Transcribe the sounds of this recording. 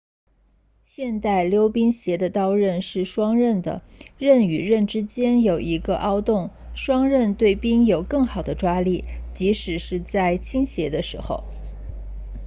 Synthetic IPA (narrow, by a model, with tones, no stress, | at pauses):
ɕjɛ˥˧nt̪a˥˩ɪljo˥ʊpi˥ŋɕjɛ˧˥d̪ə˧t̪ɑ˥ʊɻə˥˧nʂɻ̩˥˩ʂwɑ˥ŋɻə˥˩nd̪ə̰˩ɻə˥˩ny˨˩ɻə˥˩nʈ͡ʂɻ̩˥t͡ɕjɛ˥njo˨˩ʊi˧˥ɡə˧ʔɑ˥ʊt̪ʊ˥˩ŋ | ʂwɑ˥ŋɻə˥˧nt̪we˥˩ɪpi˥ŋjo˨˩ʊkɤ˥˩ŋxɑ˨˩ʊd̪ə˦ʈ͡ʂwa˥li˥˩t͡ɕi˧˥ʂɻ̩˨˩ʂɻ̩˥˧t͡sa˥˩ɪt͡ɕʰi˥ŋɕjɛ˧˥d̪ə˧ʂɻ̩˧˥xo̰˥˧ʊ